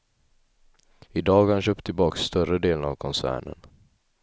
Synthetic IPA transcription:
ɪd̪ɑːɡhanɕœːpt̪ʰːɪlbɑːksːt̪œɾəd̪eːləna̰vkʰɔnsæ̰ːɳə̰n

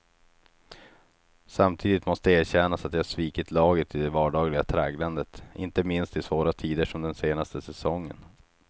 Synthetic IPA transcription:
samt̪ʰiːd̪ɪt̪mɔst̪əeːɕɛnasat̪̚jɑhaʂviːkɪt̪ʰlɑːɡət̪ʰɪd̪ɛvɑːɖɑːɡlɪɡat̪ʰɾɛːɡland̪ət̪ɪnt̪əmɪnst̪ɪsvoːɾat̪ʰiːd̪əʂɔmd̪ɛnseːnast̪əsɛsɔŋːə̰n

